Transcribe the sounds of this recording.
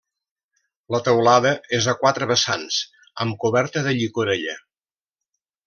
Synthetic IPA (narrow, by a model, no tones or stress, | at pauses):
lət̪əwlaðəezəkwat̪ɾəβəsa̰ns | əmkuβɛɾt̪əðəʎikuɾeʎə